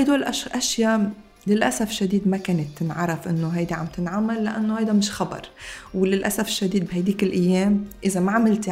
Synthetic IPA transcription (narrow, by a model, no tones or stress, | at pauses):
hajd̪oːlʔaʔaʃja | lɪlʔasafɪʃːad̪iːd̪makeːnɪt̪ːɪnʕɑɾˤɑfʔɪnːoɦajd̪iʕa̰mt̪ɪnʕamːalːa̰ʔanːohajd̪amɪʃxɑbɑ̰ɾˤwlɪlʔasafɪ̥ʃːad̪iːd̪̚bhajd̪iːkɪlʔajːeːmʔɪzamaʕamɪlt̪